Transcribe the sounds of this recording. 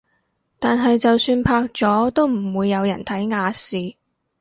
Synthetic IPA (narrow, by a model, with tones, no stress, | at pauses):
t̪aː˨nɦɐ˨jt͡sɐ˨wsyː˧npʰaː˧˥k̚t͡sɔː˨˥t̪o˥wm̩˨˩wuː˨˧jːɐ˨˧wjɐ̰˨˩nt̪ʰɐ˨˥jŋaː˨˧siː˨